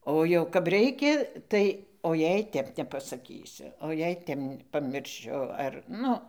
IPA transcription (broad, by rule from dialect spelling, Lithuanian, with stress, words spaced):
ˈoː jɛʊ kɐp ˈrʲɛɪkʲɛ ˈtɐɪ oː ˈjɛɪ ˈtʲɛp nʲɛpɐsɐˈkʲiːsʲʊ oː jɛɪ ˈtʲɛp pɐmʲɪrʲˈʃʲʊ ɐr ˈnʊ